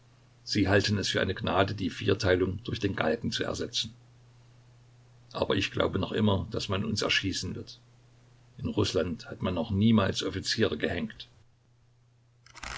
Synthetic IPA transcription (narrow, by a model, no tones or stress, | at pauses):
z̥iːɦaltən̩ɛsfyːɐʔa̰ɪnəɡnaːdədiːfiːɐtʰaɪlʊŋd̥ʊɐçd̥eːnɡa̰lɡŋ̩t͡suɛ̰ɐzɛt͡sn̩ | ʔa̰ːbɐɪçɡ̥la̰ʊbənɔχʔɪ̰mɐd̥asmanʊ̰nsɛ̰ɐʃiːsn̩vɪɐt | ʔɪnʁʊslanthatmanːɔχniːmaːlsʔɔfit͡siːʁəɡəhɛŋkt